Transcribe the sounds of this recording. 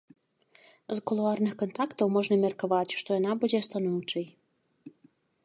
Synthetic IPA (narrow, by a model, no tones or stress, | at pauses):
zkolˠuɑrnɨxkont̪ɑkt̪owmoʒnəmʲerkoβɑtʲʃt̪ojɔnɑbudʲest̪ɑnuwt͡ʃɨj